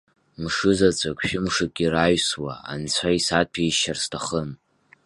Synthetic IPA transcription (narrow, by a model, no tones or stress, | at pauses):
mʂɨzat͡sʷʼakʷʼʃᶣɪmʂɨkʼiraɥswa̰a̰nt͡ɕʷʰaisat̚pʰiʃarstʰaχən